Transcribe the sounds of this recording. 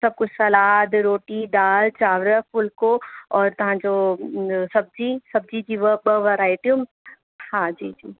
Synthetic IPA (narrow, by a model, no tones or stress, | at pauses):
sɐb̚kʊt͡ʃʰsɐlaːd̪ɾoːʈiɖaːlt͡ʃaːʋɾəfʊlkoɔːɾt̪ɐɦãd͡ʒo | sɐb̚d͡ʒiːsɐb̚d͡ʒid͡ʒiːʋəbəʋəɾaːɪʈjum | hãd͡ʒiːd͡ʒiː